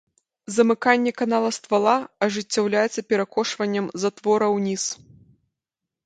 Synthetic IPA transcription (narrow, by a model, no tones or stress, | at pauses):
zɐmɨkanʲːɛkanalˠɐst̪valˠaɐʐɨt͡sʲːawlʲajɛt̪sːɐpʲɛɾakɔʂvɐnʲːɐmzat̪vɔɾɐwnʲis